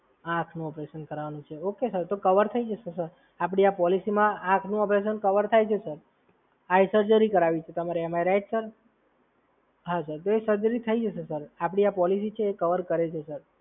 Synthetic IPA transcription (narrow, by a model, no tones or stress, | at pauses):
aãkʰnũɔpɾesənkəɾʋanũt͡ʃʰeokesəɾt̪okəʋəɾt̪ʰəid͡ʒəsəɾsəɾ | ap̬ɽiapɔlisimããkʰnũɔpɾes̬ənkəʋəɾt̪ʰajt͡ʃʰesəɾ | aisəɾd͡ʒəɾikəɾaʋit͡ʃʰet̪əmaɾeəmaɾeɾajʈsəɾ | ɦasəɾt̪oesəd̪ɾit̪ʰəid͡ʒəsesəɾapɽ̃iapɔlisit͡ʃʰeːkəʋəɾkəɾet͡ʃʰesəɾ